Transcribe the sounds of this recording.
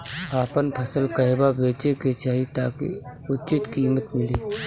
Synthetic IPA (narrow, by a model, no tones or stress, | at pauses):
aːpənpʰəsəlkəɦebabeːt͡ʃeket͡ʃaːɦit̪aːkḭʊtːt͡ʃɪt̪kiːmət̪mɪleː